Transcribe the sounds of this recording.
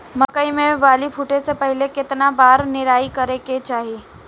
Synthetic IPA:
mɐkəimẽʋaːlipʰuʈesepɛɦlekɪt̪nabaːɾnɪɾaːikɐɾeket͡ʃaːɦiiː

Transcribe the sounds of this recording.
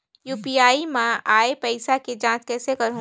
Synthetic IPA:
juːpiaːimãʔaːepɐɪsaked͡ʒãːt͡ʃkɛːsekɐɾɦũ

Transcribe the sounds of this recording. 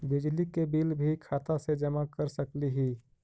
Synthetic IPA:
bɪd͡ʒlikebiːlbʱikʰaːt̪ased͡ʒəmakəɾsəkliɦiː

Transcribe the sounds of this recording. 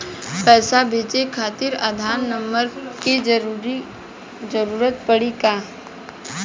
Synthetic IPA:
pɛːsabʱeːt͡ʃekʰaːt̪ɪɾad̪ʱaːnnəmbəɾki | d͡ʒəɾuːɾət̪̚pəɽikaː

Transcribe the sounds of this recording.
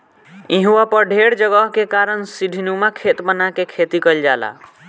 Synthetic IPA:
iɦuwapəɾɖʱeɽd͡ʒəɡəɦkekaɾənsiɖʱinumakʰet̪bənakekʰet̪ikəld͡ʒala̰

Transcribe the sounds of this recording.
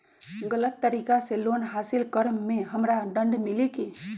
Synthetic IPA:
ɡələt̪ːəɾiːkaselonɦaːsɪlkəɾmẽɦəmɾaɖə̃ɳɖmileki

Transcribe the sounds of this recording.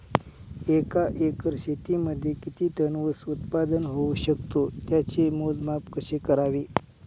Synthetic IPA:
ekaʔekəɾɕet̪iməd̪ʱːjekit̪iːʈənʋəsut̪pad̪ənɦouɕəkt̪ot̪jat͡ɕemod͡zmapkəɕekəɾaʋiː

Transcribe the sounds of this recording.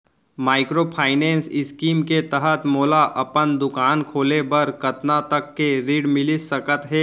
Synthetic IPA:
maːɪkɾopʰaːɪnẽːnsɪskiːmket̪əɦət̪moːlaʔɐpənd̪ʊkaːnkʰoːlebɐɾkɐt̪nat̪ɐkːeɾiːɽmɪlisɐkət̪ɦɛː

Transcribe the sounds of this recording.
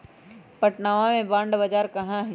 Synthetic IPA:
pɐʈnaːʋãmẽbãːɳɖbɐd͡ʒaːɾkɐɦãɦ

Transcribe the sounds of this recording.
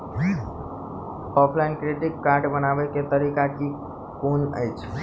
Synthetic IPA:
ɔpʰlajnkɾiʈikːaɾɖbənabɛket̪əɾikaki | konə̰jt͡ʃʰ

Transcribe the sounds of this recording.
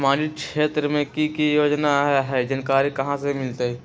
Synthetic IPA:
mãːd͡ʒikʃeːt̪ɾəmẽkikijoːd͡ʒnaɦɛɦɛd͡ʒɐnkaːɾikɐɦãsemɪlt̪eɦɛ

